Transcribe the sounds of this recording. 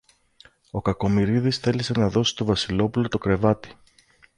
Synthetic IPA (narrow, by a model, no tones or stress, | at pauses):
o̞kɐko̞miɾiðisθe̞lise̞nɐðo̞si̥t̪o̞vɐsilo̞pulo̞t̪o̞kɾe̞vɐt̪i̥